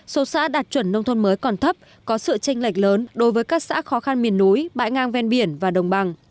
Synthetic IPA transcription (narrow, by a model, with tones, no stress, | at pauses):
so˨˦sa̰ː˧˥ɗaː˨˩t̚t͡ɕwə˧˩nːə˧wŋ͡mt̪ʰo˧nməː˨˦jkɔ˨˩nt̪ʰə˦˥p̚ | kɔ˨˦sɨ̰˧˨t͡ɕa˧jŋ̟la˨˩jk̟̚ləː˨˦nɗo˨˦jvəː˨˦jkaː˦˥k̚sa̰ː˧˥xɔ˨˦xa˧nmi˨˩ənːu˨˦jɓa̰ː˧˨jŋaː˧ŋvɛ˧nɓi˧˩ənvaː˨˩ɗə˨˩wŋ͡mɓa˧˩ŋ